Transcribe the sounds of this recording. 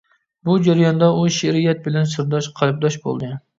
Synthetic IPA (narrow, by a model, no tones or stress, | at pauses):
bʊd͡ʒaɾajɒnd̪aʊʃeɾɪjat̪̚bɪlansɪɾd̪ɒʃqʰɑlɪp̚d̪ɒʃbo̰lˠd̪ɪ